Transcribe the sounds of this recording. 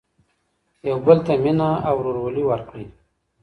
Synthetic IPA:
jawbəlt̪aminaawɾoɾwoliwaɾkɽi

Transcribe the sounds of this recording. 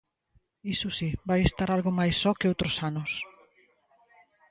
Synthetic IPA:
isusibajest̪aɾalɣomajsːɔkeowt̪ɾosanʊs

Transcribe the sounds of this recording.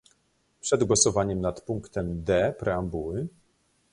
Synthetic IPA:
pʂɛd̪ɡwɔsɔvaɲɛmnat̪puŋkt̪ɛmd̪ɛpɾɛambuwɘ

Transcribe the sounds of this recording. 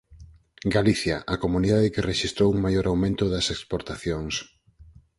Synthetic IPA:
ɡaliθjaʔakomuniðaðɪkereʃist̪ɾowuŋmajoɾʔawmẽnt̪ʊðɐsekspoɾt̪aθjoŋs

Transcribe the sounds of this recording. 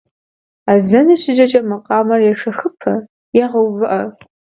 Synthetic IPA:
azɐnɨʃɪd͡ʒʼɐt͡ʃʼɐmɐqʼɑːmɐrjɛʂɐχɨpʰɐ | jɛʁɐwvɨʔɐ

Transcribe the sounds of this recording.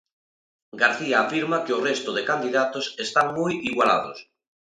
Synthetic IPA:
ɡaɾθiaːfiɾmakeorest̪oðekand̪iðat̪osest̪aŋmujiɣwala̰ðo̰s

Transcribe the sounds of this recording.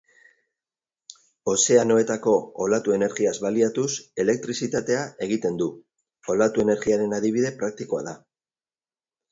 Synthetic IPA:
o̞se̞ano̞e̞t̪ako̞ːlat̪ue̞ne̞ɾɣiazβaliat̪use̞le̞k̚t̪ɾisit̪at̪e̞ae̞ɣ̞it̪e̞nd̪u | o̞lat̪ue̞ne̞ɾɣiaɾe̞naðiβ̞iðe̞pɾak̚t̪iko̞a̰ða

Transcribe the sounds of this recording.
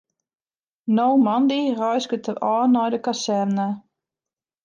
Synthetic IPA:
nowmandirɔjsɡətʰəɔːnɔjdəkasɛrnə

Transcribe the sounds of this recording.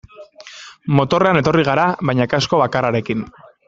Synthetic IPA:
mo̞t̪o̞re̞ane̞t̪o̞riɣ̞aɾaβajɲakasko̞βakaraɾe̞kin

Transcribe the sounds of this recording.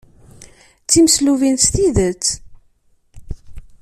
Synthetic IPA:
t͡sːiməsluvint̪st̪iðət͡sː

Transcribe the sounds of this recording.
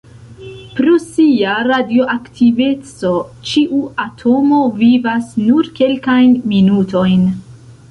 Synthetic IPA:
pɾosiaɾadio̞ʔaktʰive̞t͡so̞t͡ʃiʔuatʰo̞mo̞vivasnuɾke̞lkajnminuto̞jn

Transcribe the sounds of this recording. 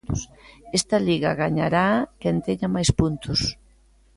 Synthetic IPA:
t̪osest̪ɐliɣɐɣaɲaɾakɛnt̪eɲamajspunt̪ʊs

